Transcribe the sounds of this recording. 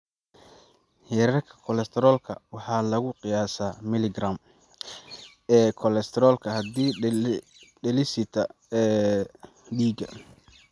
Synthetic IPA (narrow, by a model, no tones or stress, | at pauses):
hɛɾɐrkʰɐ̥kʰɔlɛst̪ʰɛɾɔːlkʰɐ̰wɑħɑːlɐɣʊqɪjaːsaːmɪlɪɡraːm | ɛːkʰɔlɛst̪ʰɛɾɔːlkʰɐhɐd̪iː | ɖɛlɪsɪt̪ʰɐ | ɛː | ɖiːɡɐ̰